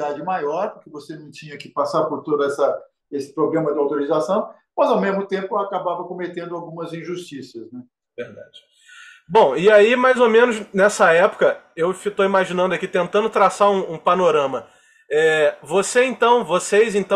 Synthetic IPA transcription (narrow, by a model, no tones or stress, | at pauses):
d̪ad͡ʒɪmajɔɾpʊɾkɪvosenɐ̃w̃t͡ʃĩɲɐkɪpasaɾpoɾt̪od̪ʊɛsɐ | esɪ̥pɾoɡɾɐ̃mɐd͡ʒɪawt̪oɾizasɐ̃w̃ | mɐzawmezmʊt̪ẽmpʊakabavɐkomet̪ẽnd̪ʊawɡũmɐzĩʒuʃt͡ʃisɐsnɛ | veɾd̪ad͡ʒɪ | bõw̃ɪaimajzomẽnʊʃnɛsɐɛpʊ̥kɐ | ewfit̪oimaʒinɐ̃nd̪ʊakit̪ẽnt̪ɐ̃nd̪ʊt̪ɾasaɾũũpanoɾɐ̃mɐ | ɛvoseẽnt̪ɐ̃w̃vosejzẽt̪ɐ̃